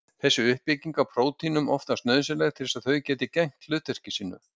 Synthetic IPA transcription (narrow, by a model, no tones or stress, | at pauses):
θɛsːʏʏhpːɪciŋkapʰɾoːwt̪ʰinʏmɔft̪ast̪nœːðsɪlɛɣt̪ʰɪlsaðθœɥcɛːt̪ɪcɛŋ̥t̪lʏːt̪ɛr̥cɪsiːnʏ̰